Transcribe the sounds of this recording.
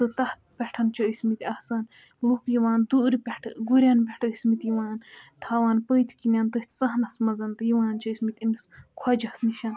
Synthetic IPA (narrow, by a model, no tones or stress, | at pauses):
t̪ɨt̪ɐht̪pʲɛʈʰɐnt͡ʃʰɐisʲmit̪ʲɐhsɐn | lukjiʋaːnd̪uːɾpʲɛʈʰɡuɾʲɐnpʲɛʈʰɨismit̪jiʋaːnt̪ʰaːʋaːnpəːjt̪ʰkinʲant̪ɨht̪ʰʲsɐɦnɐsmɐzɐnt̪ɨjiʋaːnt͡ʃʰɐisʲmit̪ʲimiskʰwɐd͡ʒɐsniʃɐn